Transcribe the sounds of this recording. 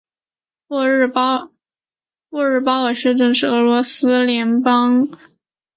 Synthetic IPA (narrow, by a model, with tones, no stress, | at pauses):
pwɔ˥˧ɻ̩˥˩pɑ˥ʊə˨˩ʂɻɛ˥˧ʈ͡ʂɤ˥˧ŋʂɻ̩˥˩ɤ˧˥lwɔ˧˥sɹ̩˥ljɛ˧˥npɑ˥ŋ